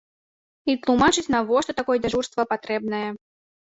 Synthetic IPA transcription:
it̪lˠumat͡ʂɨt͡sʲnɐvɔʂt̪ɔt̪akɔjɛd͡zʲaʐurst̪vɐpat̪ɾɛbnɐjɛ

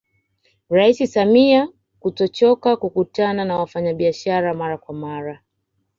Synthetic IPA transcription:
ɾaisisamia | kutɔt͡ʃɔkakukutananawafaɲaɓiaʃaɾamaɾakwamaɾa

